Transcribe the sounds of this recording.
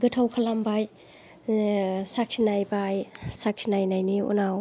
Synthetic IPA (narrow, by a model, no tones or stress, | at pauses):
ɡɯtʰawkʰalambaj | sak̚sʰinajbajsak̚sʰinajnajniṵnaw